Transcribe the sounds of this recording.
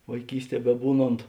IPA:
ʋɐɪˈkʲiːsʲˌtʲiɛ bʲɛˈbuːˌnoːnt

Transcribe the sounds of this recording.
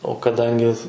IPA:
oː kɐˈdɐŋʲɡʲɪ

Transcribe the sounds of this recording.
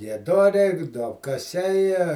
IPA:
ɡʲiɛˈdoːrʲɛɪ duɔpkɐˈsʲɛɪ

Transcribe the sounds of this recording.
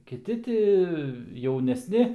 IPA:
kʲɪˈtʲɪ ˈtʲɪ jɛʊnʲɛsʲˈnʲɪ

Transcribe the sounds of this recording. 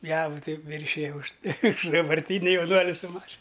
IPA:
ˈjæːʋʊ ˈtɐɪ ˈʋʲɪrʲʃʲɪjɛ ʊʃ ʊʃ dɐbɐrʲˈtʲiːnʲɪ jɛʊˈnuɔlʲɪ sʊ ˈmɑːʃʲɪn

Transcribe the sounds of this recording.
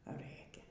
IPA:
ˈrɘkʲɛ

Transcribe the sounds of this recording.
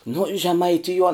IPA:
nʊ ʒʲɛmɐɪˈtʲɪjuɔn

